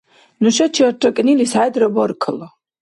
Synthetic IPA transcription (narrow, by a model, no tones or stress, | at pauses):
nuʃat͡ʃʰiɔɾt̪ʼɔkʼnilisaɛd̪ɾɔbɔɾkʰlɔ